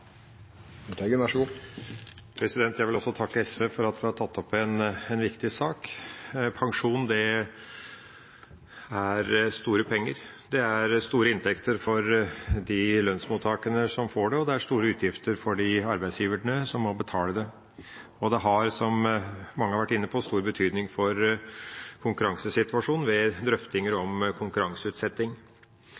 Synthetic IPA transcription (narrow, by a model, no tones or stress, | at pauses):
ɡ̪æʂɡu | pʰɾɛsɪd̪ɛnt̪ʰjæɪʋɪlɔsːɔt̪ʰɑkːəɛsʋeːfɔɾɑt̪ʋɪhɑt̪ʰɑt̪ːɔpːɛnɛnʋɪkt̪ɪsɑːk | pʰɑŋʂuːnd̪ɛ | æɾst̪uːɾəpʰɛŋːəɾ | d̪ɛæɾst̪uːɾəɪnt̪ʰɛkt̪ʰəɾfɔɾd̪ɪlœnsmut̪ʰːɑːkənəsɔmfoːɖɛɔd̪ɛæʂt̪uːɾəʉːt̪ʰjɪft̪əɾfɔɖɪɑɾbæɪsjiːʋəɳəsɔmmɔbət̪ʰɑːləd̪ɛ | ɔd̪ɛɦɑɾsɔmmɑŋːəɑʋæʈːɪnːəpʰɔst̪uːɾbət̪ʰyːd̪nɪŋfɔɾ | kʰʊŋkʉɾɑŋsəsɪt̪ʋɑʂuːnʋɛd̪ɾœft̪ɪŋəɾɔmkʰʊŋkʉɾɑŋsəʉːt̪sɛt̪ːɪŋ